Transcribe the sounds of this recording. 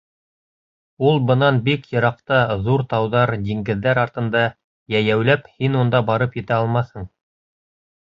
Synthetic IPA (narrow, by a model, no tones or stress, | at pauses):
ulˠbɤ̆nɑnbikjɤ̆ɾɑqt̪ɑðuɾt̪ɑwðɑɾd̪iŋɡɘ̆ðːæɾɑɾt̪ɤ̆nd̪ɑ | jæjæwlæphinund̪ɑbɑɾɤpjɘ̆t̪æɑlˠmɑθhɤɴ